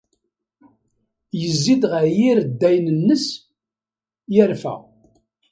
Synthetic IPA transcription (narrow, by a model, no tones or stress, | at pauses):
jəzːid̪ʁəʕjiɾd̪ːæjnənːəs | jəɾfæ̰